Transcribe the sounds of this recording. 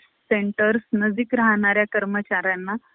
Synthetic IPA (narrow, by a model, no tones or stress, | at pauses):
seɳʈəɾsnəd͡zikɾaɦɳ̃aɾjakəɾmət͡ɕaɾjanːa